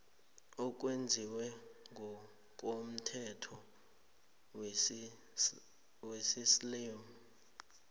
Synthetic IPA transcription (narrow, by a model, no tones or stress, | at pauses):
ɔk̬ʼwend͡zʱiwɛŋʱɔ | k̬ʼom̩tʰɛtʰɔ | wesislem